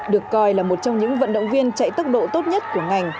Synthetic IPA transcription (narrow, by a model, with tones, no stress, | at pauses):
ɗɨ˨˩əkːɔ˧jlaː˨˩mo˨˩t̚t͡ɕɔ˧wŋ͡mɲɨ̰˧˥ŋvə̰˧˨nɗə̰˧˨wŋ͡mvi˧ənt͡ɕa̰˧˨jt̪ə˦˥k͡p̚ɗo̰˧˨t̪o˦˥t̚ɲə˦˥t̚ku˧˩əŋa˨˩jŋ̟